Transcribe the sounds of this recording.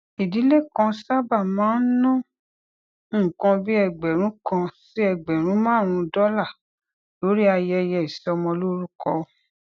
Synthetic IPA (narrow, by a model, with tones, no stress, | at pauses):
i˨di˨˦le˦˨kã˧sa˦ba˦˨mãː˨˦n̩˦nɔ̃˦˨ | kã˧bi˦ɛ˧˨ɡ͡bɛ˨ɾ̃ũ˨˦kã˧si˦ɛ˧˨ɡ͡bɛ˨ɾ̃ũ˨˦mãː˦˨ɾ̃ũ˧dɔ˦la˦˨ | lo˨˦ɾi˦a˧jɛ˧jɛ˧i˨sɛ˨˦ɔ˧mɔ̃˧lo˦ɾu˦kɔ˧